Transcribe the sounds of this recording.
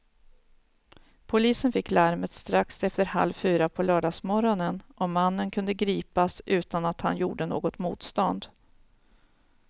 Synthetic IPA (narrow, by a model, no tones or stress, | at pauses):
pʰʊliːsənfɪkːlaɾmət̪st̪ɾaksɛft̪əɾha̰lvfyːɾapʰɔlœːɖɑːsmɔɾɔnənʔɔmanːənkʰɵnd̪əɡɾiːpasʉ̟ːt̪anat̪ha̰njṵːɖəno̰ːɡɔt̪mṵːt̪st̪ɔnd̪